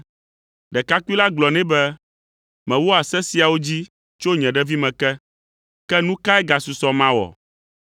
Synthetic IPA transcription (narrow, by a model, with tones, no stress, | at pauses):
ɖɛ˨ka˦ku˦i˦la˦ɡ͡blɔ˨nɛ̃˦bɛ˦ | mɛ̃˨wo˦a˨sɛ˦si˨a˨wo˦d͡ʑi˦ | t͡ʃo˦ɲɛ̃˨ɖɛ˦vi˦mɛ̃˨kɛ˦ | kɛ˦nũ˦ka˦ɛ˦ɡa˨su˨sɔ˨mã˨˦wɔ̰˨